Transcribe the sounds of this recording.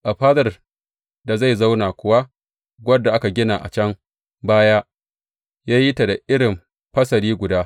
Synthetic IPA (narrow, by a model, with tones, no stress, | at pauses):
ʔa˨ɸaː˦dɐ˨r | da˨za˦˨jza˦wnaː˨kʷʊ˨wa˦ | ɡʷɐ˦dːa˨ʔa˦ka˨ɡʲɪ˦naː˨ʔa̰˨t͡ʃɐ˦ŋ | baː˦jaː˦ | jaː˦ji˦ta˨da˨ʔɪ˦ɽɪ˨m | ɸɐ˦sɐ˨ɾiː˦ɡʷʊ˨daː˦